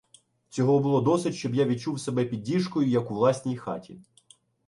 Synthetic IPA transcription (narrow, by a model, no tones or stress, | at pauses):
t͡sʲɔɦɔbʊlˠɔd̪ɔsɪtʲʃt͡ʃɔbjaʋʲit͡ʃuwsebɛpʲid̚ʲːiʃkɔjʊjɐkʊʋlˠɑsʲnʲijxɑ̰tʲḭ